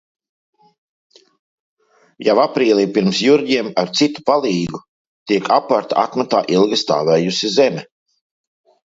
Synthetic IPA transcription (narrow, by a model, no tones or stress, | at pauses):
javapɾiːlʲˠiːpiɾmsjuɾdʲiɛmaɾt̪sit̪u̥palˠiːɡu | t̪iɛkʰapaɾt̪aat̪mat̪aːʔilˠɡist̪a̰ːvɛːjusizɛmʲɛ